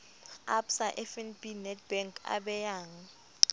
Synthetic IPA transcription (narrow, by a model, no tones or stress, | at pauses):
apsaʔɛfɛnbinɛt̚b̥ɛŋkʼʰa̰ɓɛjaːŋ̩